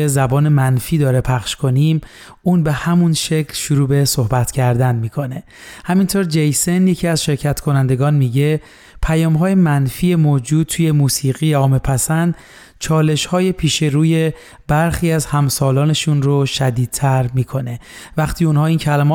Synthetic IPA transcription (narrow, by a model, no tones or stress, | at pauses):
ezæbɒːne̞mænfiːd̪ɒːɾepʰæχʃkʰo̞nim | uːnbe̞hæmunʃe̞cʰlʃuɾuːbe̞so̞hbæt̪ʰcʰæɾd̪ænmiːkʰo̞ne̞ | hæmint̪ʰoːɾd͡ʒejse̞njecʰiæzʃe̞ɾcʰæt̪kʰo̞nænd̪eɡɒːnmiːɟe̞ | pʰæjɒːmɦɒːjemænfiːemoːd͡ʒuːd̪̚t̪ʰuːje̞muːsiːɣiːeɒːme̞pʰæsænd̪ | t͡ʃʰɒːle̞ʃhɒːje̞pʰiːʃe̞ɾuːje̞ | b̥æɾxiːæzhæmsɒːlɒːne̞ʃunɾoʃæd̪iːd̪̥̚t̪ʰæɾmiːkʰo̞ne̞væχt̪ʰiːunhɒːiːncʰælæmɒː